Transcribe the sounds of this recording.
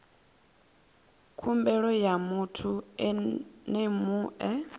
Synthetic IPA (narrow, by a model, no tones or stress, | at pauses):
kʰumbɛɺɔjamutʰuɛnemuːʔɛ